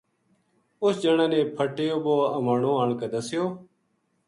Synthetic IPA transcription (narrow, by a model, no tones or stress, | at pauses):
ʊsd͡ʒəɳaːnẽːpʰəʈeːjoːboːəmaːɳõːaːɳkəd̪əsɪjoː